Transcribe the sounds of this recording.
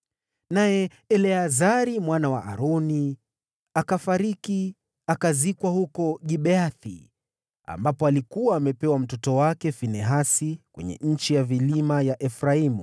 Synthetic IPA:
najɛ | ɛlɛazaɾimwanawa̰ʔa̰ɾɔni | akafaɾiki | akazikwahukɔɠiɓɛaθḭ | a̰mbapɔalikuwaːmɛpɛwam̩tɔtɔwakɛfinɛɦasikwɛ̰ɲɛ̰ɲ̩t͡ʃijavilimajaʔɛfɾaimṵ

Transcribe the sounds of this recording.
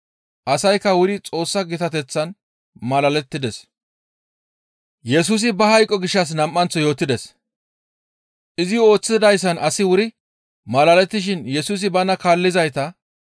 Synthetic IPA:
ʔɐsɐjkːɐwʊɾɪt͡sʼo̞ːsːɐɡɪt̪ɐt̪ɛt͡sːɐn | mɐlɐlɛt̪ːɪd̪ɛs | jɛs̬uːs̬ɪbɐhɐjkʼːɔɡɪʃːɐs̬nɐmːɐnt͡sːɔjo̞ːt̪ːɪd̪ɛs | ʔɪzɪo̞ːt͡sːɪd̪ɐjs̬ːɐnɐsɪwʊɾɪ | mɐlɐlɛt̪ːɪʃ̬ɪnjɛsuːs̬ɪbɐnɐkaːlːɪzɐjt̪ɐ

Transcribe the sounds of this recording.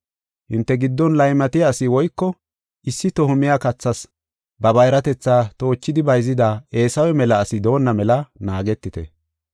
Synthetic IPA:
hɪnt̪ːɛɡɪd̪ːɔnlɐjmɐt̪ɪjaːsɪwɔjkːɔ | ʔɪsːɪt̪ɔhʊmɪjakɐt͡sːɐs | bɐbɐjɾɐt̪ɛt͡sːaːt̪o̞ːt͡ʃːɪd̪ɪbɐjzɪd̪ae̞ːsɐwɛmɛlɐːsɪd̪o̞ːnːɐmɛlɐnaːɡɛt̪ːɪt̪ɛ̰

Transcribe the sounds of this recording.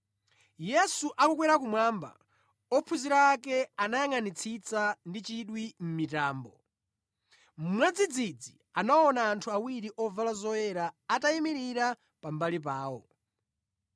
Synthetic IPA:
jɛsuʔakuk̬wɛɾakumwaːmba̰ | ɔpʰuziɾaːkɛanajaŋanit͡sʰit͡sandit͡ʃiɗwim̩mitaːmbɔ | m̩mwɛd͡zid͡zid͡zi | anaɔnaːntʰuawiɾiʔɔvalazɔjɛɾaːtaimiɾiɾa | pambalip̬aːwɔ̰

